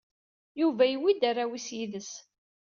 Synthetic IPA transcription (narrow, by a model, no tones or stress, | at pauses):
juvæjiwid̪arawisjiðəs